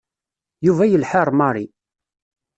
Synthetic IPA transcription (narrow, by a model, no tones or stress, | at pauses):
juvæjəlħəɾˤmɑɾˤi